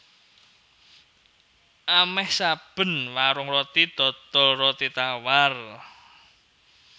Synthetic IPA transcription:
ʔamɛhsab̥ə̤nwaɾʊŋrot̪id̪̥ɔ̤t̪ɔlrot̪it̪awar

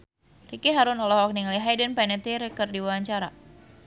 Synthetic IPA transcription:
rikiɦaɾʊnɔlɔhɔk̚niŋliɦajdənpɛnɛt̪iɾɛkərdiwawaɲt͡ʃaɾa

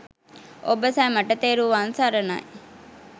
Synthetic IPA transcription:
ʔobəsæːmɐʈɐt̪eːɾuːʋansaɾɐna̰

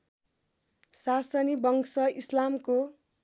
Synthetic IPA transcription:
sasʌnibʌŋksʌislamko

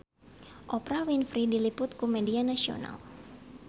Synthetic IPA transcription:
ʔɔpɾawinfɾidilipʊt̪̚kumɛdianasio̰na̰l

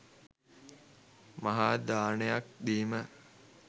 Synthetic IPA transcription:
maɦaːd̪aːnejak̚d̪iːmə

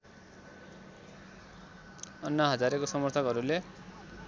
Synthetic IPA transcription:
ʌnːʌɦʌd͡zaɾekosʌmʌrt̪ʰʌkɦʌɾule

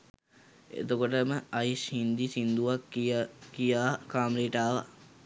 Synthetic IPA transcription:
ḛt̪okoʈəməaishind̪isind̪uʋakːikijaːkaːmɾiːʈaːʋa̰

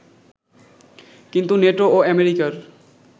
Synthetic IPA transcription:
kint̪uneʈooɛmeɾikaɾ

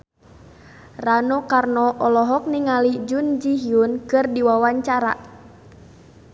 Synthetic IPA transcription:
ranɔkarnɔʔɔlɔɦɔk̚niŋalid͡ʒund͡ʒiɦiunkɨrdiwawaɲt͡ʃaɾa̰

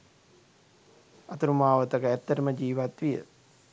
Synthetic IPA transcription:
ɐt̪uɾumaːʋət̪əkəæt̪ːəɾəməd͡ʒiːʋat̪ʋijə̰

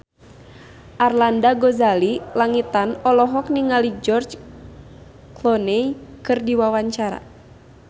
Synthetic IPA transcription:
ʔarlandaɡɔzalilaŋit̪anɔlɔɦɔk̚niŋalid͡ʒɔrt͡ʃ | klɔnɛjkɨrdiwawaɲt͡ʃaɾa̰

